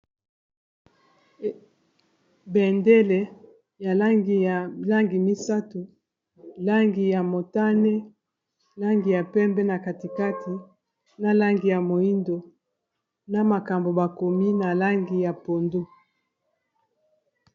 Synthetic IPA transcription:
bɛ˨nde˦le˨ | ja˨li˨la˦ŋɡi˨mi˦sa˦tu˨ | la˦ŋɡi˨ja˨mo˨ta˦ne˦ | la˦ŋɡi˨ja˨pɛ˦mbɛ˦na˨ka˨ti˨ka˦tʰi˨ | na˦la˦ŋɡi˨ja˨mo˨i˦ndo˨ | na˦˨ma˨ka˨mbo˨ba˨ko˨mi˦na˨la˦ŋɡi˨ja˨po˨ndo˦

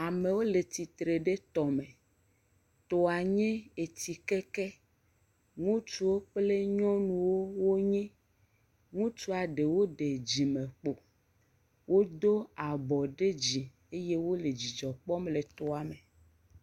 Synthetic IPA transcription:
a˨me˨wo˦le˨t̪i˨t̪ɾe˨ɖe˦t̪ɔ˨me˨ | t̪ɔ˨a˨ɲɛ̃˦e˨t̪i˨kɛ˦kɛ˦ | ŋũ˦t͡ʃu˦wo˦k͡ple˦ɲɔ̃˦nũ˨wo˦wo˦ɲɛ̃˦ | ŋũ˦t͡ʃu˦a˨ɖe˨wo˦ɖe˨d͡ʑi˨mẽ˨k͡po˨ | wʔo˦d̪o˦a˨bɔ˨ɖe˦d͡ʑi˨ | e˦je˦wo˦le˨d͡ʑi˨d͡ʒɔ˨k͡pɔ˦mle˨t̪ɔ˨a˨me˨

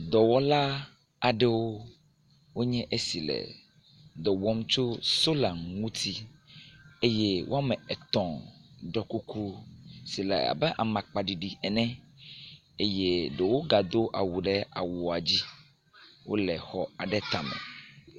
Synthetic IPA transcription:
d̪ɔ˨wɔ˦la˦ | a˨ɖe˦wo˦ | wo˦ɲɛ̃˦ʔe˦si˨lɛ̰˨ | d̪ɔ˨wɔ˦m˦t͡ʃo˦so˦la˨mŋũ˦t̪ʰi˦ | e˦je˦wʔo̰˦a˦mɛ̃˨ɛ˨t̪ɔ̃˨ɖɔ˨ku˦ku˦si˨lɛ̰˨a̰˨bɛ˦ʔa˨mã˨k͡pa˨ɖi˨ɖi˨ɛ˨nɛ̃˦ | e˦je˦ɖe˨wo˦ɡa˨d̪o˦ʔa̰˨wu˨ɖɛ˦a̰˨wo˨a˨d͡ʑi˦ | wo̰˦lɛ˨xɔ˨a˨ɖɛ˦t̪a˨mɛ̰̃˨

